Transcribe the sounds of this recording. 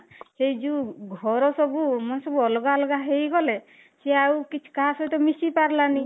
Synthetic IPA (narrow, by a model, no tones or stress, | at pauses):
sejd͡ʒuɡʱɔɾɔsɔbumɔnsɔbuɔlɔɡalɔɡaɦejɡɔle | seawkit͡ʃʰu̥kaɦasɔjt̪ɔmisipaɾlani